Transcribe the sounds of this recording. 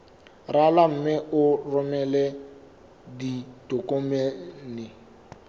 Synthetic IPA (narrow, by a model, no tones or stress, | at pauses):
ralam̩mɪʔʊrʊmɛlɛ | ditʊkʼomɛnɪ